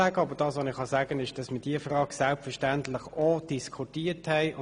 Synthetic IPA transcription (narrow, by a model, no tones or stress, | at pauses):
æːɡəɑbəd̥ɑːsʋonɪχhɑsæːɡənɪʃd̥ɑsmɪːd̥iːəfrɑːɡsɛlpfəʃtæntlɪχɔd̥iskʰutiːthɛɪʊ